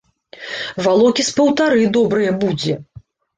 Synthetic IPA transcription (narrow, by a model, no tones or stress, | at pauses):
valˠɔkʲispɐwt̪aɾɨd̪ɔbɾɨjɐbud͡zʲɛ